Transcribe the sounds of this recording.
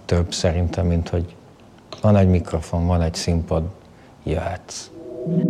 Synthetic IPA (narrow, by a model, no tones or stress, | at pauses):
t̪øbːsɛɾint̪ʰɛmːint̪ho̞ɟ | vɒnɛɟmikro̞fo̞nvɒnɛɟsimpɒd̪ | jaːt̪s